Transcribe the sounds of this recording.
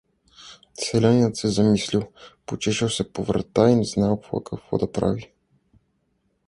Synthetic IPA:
sɛlʲaniət̪sɛzɐmisliwˠpot͡ʃɛʃɛwˠsɛpovɾɐ̰t̪ainɛznawˠpɐ̰kʰɐkvɔ̰d̪ɐpɾa̰vi

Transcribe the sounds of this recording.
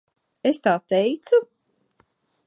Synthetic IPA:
est̪aːt̪ɛjt̪su

